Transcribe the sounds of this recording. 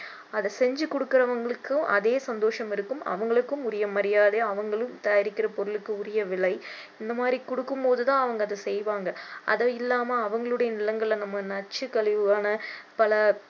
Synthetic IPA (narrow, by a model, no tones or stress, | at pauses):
ɐðɐsɛɲd͡ʒɯkɔɽɯkːɪɾɐʋɐŋɡɐɭɯkːɯʔɐ̰ðeːsɐnd̪oːʂɐmɪɾɯkːɯmɐ̰ʋɐŋɡɐɭɯkːɯmʊɾɪjɐmɐɾɪjaːðeɐʋɐŋɡɐɭɯmt̪ɐjaːɾɪkːɪɾɐpɔɾɯlɯkːɯʊɾɐjɐʋɪɭɐɪ | ɪnd̪ɐmaːd̪ɾikɔɽɯkːɯmpoːðɯt̪ãːɐʋɐŋɡɐːðɯsɛjʋaːŋɡɐʔɐ̰ðɐɪlːaːmɐːʋɐŋɡɐɭɯɽɐjɐnɪlɐŋɡɐɭːnɐmːɐnɐt͡ʃːɯkɐɭɪʋɯaːnɐpɐlɐ